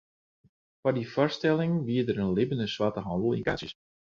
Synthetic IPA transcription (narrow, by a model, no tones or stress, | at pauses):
fadifɔrstɛlˠɪŋʋiədəɾənlɪbəndəswatəɦɑndəl̩ˠḭnka̰s